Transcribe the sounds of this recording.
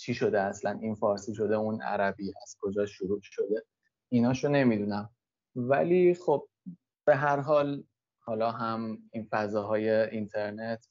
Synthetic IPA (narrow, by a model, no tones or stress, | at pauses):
t͡ʃʰiʃo̞d̪eæslæninfɒːɾsiːʃo̞d̪e̞unæ̰ɾæbiːæz̥kʰo̞d͡ʒɒːʃoɾuːʃo̞d̪e̞ | inɒːʃone̞mid̪unæm | væ̰liːχob̥̚ | b̥e̞ɦæɾɦɒːl | hɒːlɒːɦæminfæzɒːɦɒːje̞int̪ʰe̞ɾne̞t̪ʰ